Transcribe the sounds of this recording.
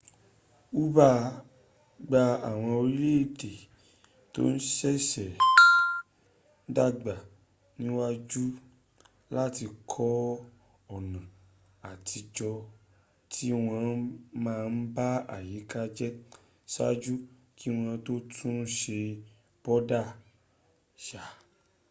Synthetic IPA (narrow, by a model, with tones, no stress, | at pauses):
u˦ba˦ | ɡ͡ba˧a˨w̃ɔ̃˧o˧ɾi˦le˦e˦˨de˨ | to̰˦n̩˦ʃɛ˦sɛ˨˦ | da˦ɡ͡ba˨ | nĩ˨˦wa˦˧d͡ʒu˦ | la˦ti˧kʰɔ˦ | ɔ˦˨nã˨ | a˨ti˧d͡ʒɔ˧ | tʰi˦w̃ɔ̃˧˦mãː˦˧n̩˦ba˦a̰˦˨ji˨˦ka˦d͡ʒɛ˦ | sa̰˦d͡ʒu˦ | kʰi˦w̃ɔ̃˧˦to˦tʰũ˦ʃe˧ | b̥ɔ˦da˦˨ | ʃa˨